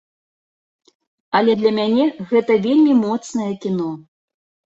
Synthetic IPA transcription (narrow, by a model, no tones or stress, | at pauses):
ɐlʲɛd̪lʲɐmʲanʲɛɣɛt̪ɐvʲelʲmʲimɔt̪snɐjɛkʲinɔ